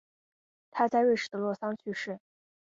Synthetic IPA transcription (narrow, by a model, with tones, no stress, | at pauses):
t̪ʰa˥t͡sa˥˧ɪwe˥˩ɪʂɻ̩˥˩d̪ə˧lwɔ˥˩sɑ˥ŋt͡ɕʰy˥˧ʂɻ̩˥˩